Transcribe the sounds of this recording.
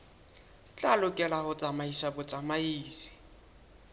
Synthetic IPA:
t͡ɬʼalʊkʼɛlahʊt͡sʼamaisabʊt͡sʼamaiːsɪ̥

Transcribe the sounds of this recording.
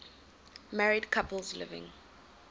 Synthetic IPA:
maɹidkʰapəlzlɪ̰vɪ̰̃ŋ

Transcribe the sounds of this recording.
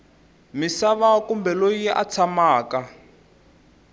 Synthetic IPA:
misaβakumbɛlojiʔa̰t͡sʰamaːka

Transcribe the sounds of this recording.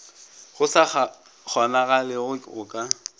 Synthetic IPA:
ɣʊsaa | k͡xʰɔnaɣalɪɣʊɣʊkʼa

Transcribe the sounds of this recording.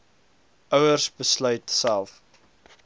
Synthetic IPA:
ʔœwərsbəslœɥtsælˠf

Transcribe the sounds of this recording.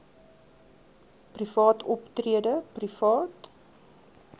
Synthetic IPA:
prifɑːtʰɔptriədəprifɑːt

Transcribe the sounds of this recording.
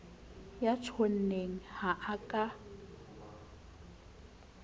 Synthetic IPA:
jat͡ʃʰon̩neŋ̩haʔakʼa

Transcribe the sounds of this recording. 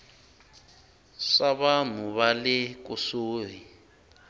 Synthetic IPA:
ʂaβam̤uβalɪkusoːri

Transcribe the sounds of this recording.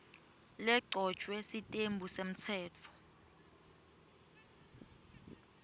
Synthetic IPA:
lɛǃʱɔ̥t͡ʃʼwɛsitʼembʱusem̩t͡sʰɛːt͡fʰɔ̥

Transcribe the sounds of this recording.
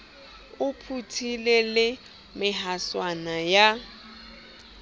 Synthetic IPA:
ʊpʰutʰilelɪ | mɪɦaswanaja

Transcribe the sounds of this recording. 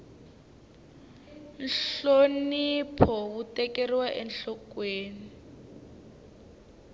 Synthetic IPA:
nɬonipʰɔβutɛkeriwaʔɛnɬɔkweːni

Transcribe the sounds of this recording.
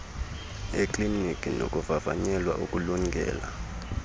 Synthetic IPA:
ekʼlinikʼino̰kʼuvava̰ɲɛlwaʔukʼuluŋɡʱɛ̰ːla

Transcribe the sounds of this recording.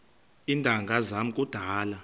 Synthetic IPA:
indʼʱaŋɡʱazamukʼud̥ʱaːla

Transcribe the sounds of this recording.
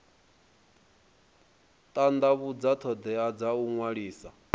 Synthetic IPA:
t̪ʼand̪aβud͡zat̪ʰɔd̪ɛad͡zauŋwaɺiːsa

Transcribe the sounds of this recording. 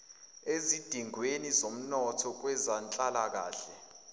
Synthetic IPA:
ezid̥ʱiŋwenizom̩nɔtʰɔk̬wɛzant͡ɬʼalak̬a̰ːɬɛ

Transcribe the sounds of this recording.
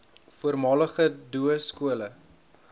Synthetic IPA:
fuərmɑːləχəduəskuələ

